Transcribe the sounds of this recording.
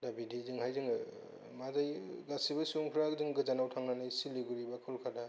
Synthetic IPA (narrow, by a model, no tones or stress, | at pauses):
dabidizɯŋhajzɯŋɯ | mazajɡasibasoŋpʰɾaɡzɯŋɡɯzanawtʰaŋnanajsiliɡuɾibakʰɯlkʰada